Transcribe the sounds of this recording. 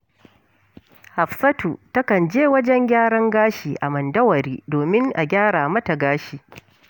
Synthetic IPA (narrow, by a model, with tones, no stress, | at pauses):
ha˨ɸsɐ˦tu˨tɐ˦kɐ˨nd͡ʒeː˦wɐ˦d͡ʒɛ˦ŋɡʲaː˦ɽɐ˦ŋɡaː˦ʃiː˨ʔa˨mɐ˨ndɐ˦wɐ˨ɾiː˦doː˨mɪ˦ŋʔa̰˨ɡʲaː˦ɽaː˨mɐ˦ta˨ɡaː˦ʃiː˨